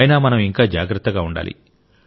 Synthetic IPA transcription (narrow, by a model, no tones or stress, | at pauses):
jɐnaːmɐnɐmiŋkaːd͡ʒaːɡɾɐt̪ːɐɡaːuɳɖa̰ːlḭ